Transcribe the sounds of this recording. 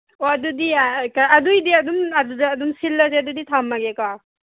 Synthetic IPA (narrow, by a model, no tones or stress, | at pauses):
oadudiakaɐdujdiɐdumaduzɐdumsilːas̬eɐduditʰamːaɡeka